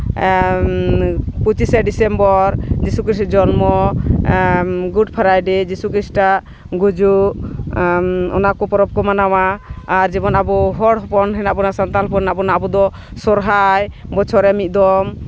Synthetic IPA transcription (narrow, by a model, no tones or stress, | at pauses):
put͡ʃisɛɖisɛmbɔɾd͡ʒisukɾisd͡ʒɔnmɔ | ɡuʈpʰaɾajɖɛd͡ʒisukɾisʈaʔ | ɡud͡ʒuʔ | ɔ̰nakɔpɔɾɔp̚kɔmanawaːɾd͡ʒɛbɔnabɔɦɔɽɦɔpɔnɦɛnaʔbɔnasant̪alɔpɔnnabɔnabɔd̪ɔ | sɔɾɦajbɔt͡ʃʰɔɾɛmit̪̚d̪ɔm